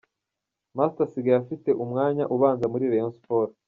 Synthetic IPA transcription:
mastasiɡajafite̞ʔumŋaːɲa̰ʔuβaːnzamuɾiɾenspoːɾa

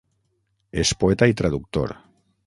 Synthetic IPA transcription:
espoɛt̪ait̪ɾaðuk̚t̪o̰ɾ

